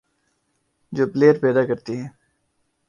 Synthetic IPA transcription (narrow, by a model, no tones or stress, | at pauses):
d͡ʒoːpleːəɾpɛːd̪aːkəɾt̪iɦɛ̃ː